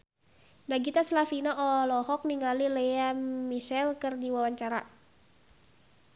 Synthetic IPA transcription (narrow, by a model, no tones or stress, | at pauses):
daɡit̪aslafinaʔɔlɔɦɔk̚niŋalilejamisɛlkɨrdiwawaɲt͡ʃaɾa